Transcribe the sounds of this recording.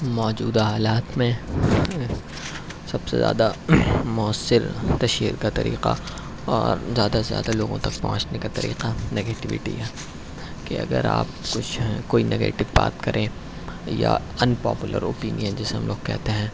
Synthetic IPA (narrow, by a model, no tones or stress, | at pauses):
mɔːd͡ʒuːd̪aɦaːlaːt̪mẽ | sɐb̥sḛzja̰ːd̪amʊəsːɪɾt̪ɐʃiːɾkat̪ɐɾiːqa̰ | ɔːɾzjaːd̪azja̰ːd̪aloːɡõt̪ɐk̚pɔɦʊ̃t͡ʃnekat̪ɐɾḭːqaneɡeːʈɪʋɪ̰ʈḭɦɛː | keɐɡəɾa̰ːp̚kʊt͡ʃʰkoːinʔeɡḛːʈɪʋba̰ːt̪kɐɾʔẽ | ja | ɐnpɔ̰ːpʊlʔəɾoːpiːnijə̃nd͡ʒɛseɦɐ̃mloːɡkɛ̰ɦt̪eɦɛ̃ː